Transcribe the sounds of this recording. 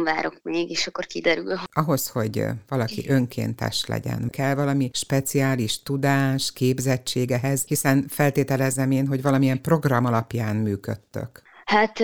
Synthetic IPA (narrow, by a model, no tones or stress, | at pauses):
mvaːɾo̞kmeːɡeːʃɒkːorkid̪ɛɾylɒɦo̞sho̞ɟvɒlɒkḭʔø̞ŋkʰḛːnt̪ɛ̰ʃlɛ̰ɟɛ̰nkɛlvɒlɒmiʃpɛt̪siaːliʃt̪ud̪aːʃkeːbzɛt͡ʃːeːɡɛɦɛzhisɛnfɛlt̪eːt̪ɛlɛzːɛmeːnɦo̞ɟvɒlɒmiɛmpro̞ɡrɒmɒlɒpjaːnmyːkø̰t̪ːø̰khat̪